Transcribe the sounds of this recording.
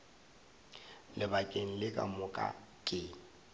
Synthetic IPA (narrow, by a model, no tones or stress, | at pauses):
lɪbakʼeŋ̩lɪkʼa̰mʊkʼa̰ | kʼɪːŋ̩